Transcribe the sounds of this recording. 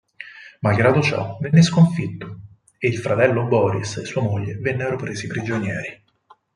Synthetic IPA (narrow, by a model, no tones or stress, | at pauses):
malɡɾaːd̪ot͡ʃɔ̰venːeskoɱfit̪ːo̥ | eilfɾat̪ɛlːobɔːɾḭsesːuːamoʎːevenːeɾopɾeːzipɾid͡ʒonjɛːɾi